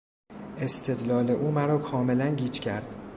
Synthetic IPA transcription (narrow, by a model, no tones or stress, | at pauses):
e̞st̪ʰe̞d̪lɒːleʔuːmæɾɒːkʰɒːme̞lænɟiːt͡ʃcʰæɾd̪̥